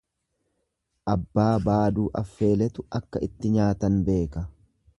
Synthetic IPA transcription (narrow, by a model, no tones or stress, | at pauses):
ʔɐbːaːbaːd̪uːʔɐfːe̞ːlɛt̪ʊɐkːɐɪt̪ːɪɲaːt̪ɐnbe̞ːkɐ